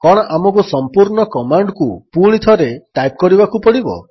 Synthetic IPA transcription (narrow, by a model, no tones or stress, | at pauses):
kɔɽ̃ɔʔamɔkusɔmpuɾɳɔkɔmaɳɖkupuɭ̃it̪ʰɔɾeʈajp̚kɔɾibakupɔɽibɔ̰